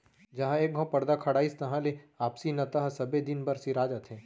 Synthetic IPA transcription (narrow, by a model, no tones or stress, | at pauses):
d͡ʒɐɦãeːk̚ɡʱõpɐɾd̪akʰɐɽaːist̪ɐɦãleaːpsinɐt̪ɐɦasɐbed̪ɪnbɐɾsiɾaːd͡ʒat̪ʰɦẽː